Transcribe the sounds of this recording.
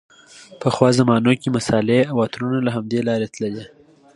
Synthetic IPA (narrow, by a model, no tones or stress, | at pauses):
pəxwɑzamɑnokemasɑleawɑt̪ɾunalaɦamd̪elɑɾet̪ləle